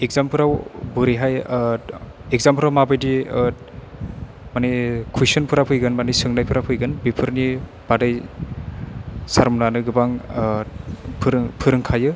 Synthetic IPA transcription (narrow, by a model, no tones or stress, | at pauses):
ek̚zampʰɯɾawbɯɾiɦaj | eɡ̚zampʰɯɾawmabɯjdi | manikʰujsɔnpʰɯɾapʰɯjɡɯnmanisɯŋnajpʰɯɾapʰɯjɡɯnbipʰɯɾni | b̥adɯj | saɾmnanɯɡɯbaŋ | pʰɯɾpʰɯɾɯŋkʰajɯ